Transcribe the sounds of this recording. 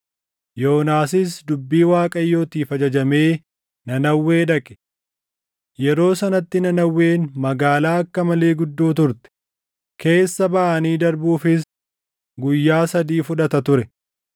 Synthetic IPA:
jo̞ːnaːsɪs̬d̪ʊbːiːwaːkʼɐjːo̞ːt̪iːfɐd͡ʒɐd͡ʒɐme̞ː | nɐnɐwːe̞ːᶑɐkʼɛ̥ | jɛɾo̞ːsɐnɐt̪ːɪnɐnɐwːe̞ːnmɐɡaːlaːɐkːɐmɐleːɡʊd̪ːoːt̪ʊɾt̪ɛ̥ | ke̞ːsːɐbɐʔɐniːd̪ɐɾbuːfɪs | ɡʊjːaːsɐd̪iːfʊᶑɐt̪ɐt̪ʊɾɛ

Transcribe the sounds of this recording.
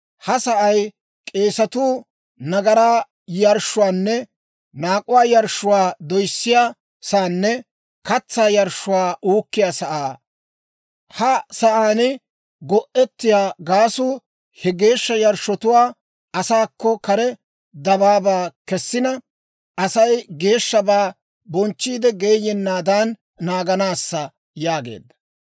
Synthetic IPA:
hɐsɐʔɐj | kʼe̞ːsɐt̪uː | nɐɡɐɾaː | jɐɾʃːʊwaːnːɛ | naːkʼʊwaːjɐɾʃːʊwaːd̪ɔjsːɪjaː | saːnːɛ | kɐt͡sːaːjɐɾʃːʊwaːʔuːkːɪjaːsɐʔaː | hɐsɐʔaːnɪ | ɡɔʔɛt̪ːɪjaːɡaːsuː | hɛɡe̞ːʃːɐjɐɾʃɔt̪ʊwaː | ɐsaːkːɔkɐɾɛ | d̪ɐbaːbaːkɛsːɪnɐ | ɐsɐjɡe̞ːʃːɐbaː | bɔnt͡ʃːiːd̪ɛɡe̞ːjɛnːaːd̪aːnː | aːɡɐnaːsːɐ | jaːɡḛːd̪ːɐ̥

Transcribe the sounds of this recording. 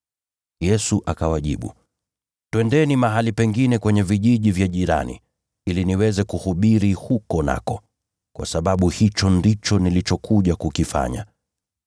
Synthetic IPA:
jɛsuʔakawaʄiɓṵ | twɛndɛnimaɦalipɛŋɡinɛkwɛɲɛviʄiʄivjaʄiɾa̰nḭ | iliniwɛzɛkuhuɓiɾihukɔna̰kɔ | kwʔa̰saɓaɓuhit͡ʃɔndit͡ʃɔnilit͡ʃɔkʰuʄakukifa̰ɲa̰

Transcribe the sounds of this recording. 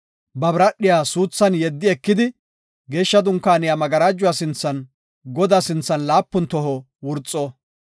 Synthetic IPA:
bɐbɾɐɗɪjaːsuːt͡sːɐnjɛd̪ːɪɛkːɪd̪ɪ | ɡe̞ːʃːɐd̪ʊŋkːaːnɪjamɐɡɐɾaːd͡ʒːʊwaːsɪnt͡sːɐn | ɡɔd̪asɪnt͡sːɐnlaːpːʊnt̪ɔɦɔ | wʊɾt͡sʼːɔ

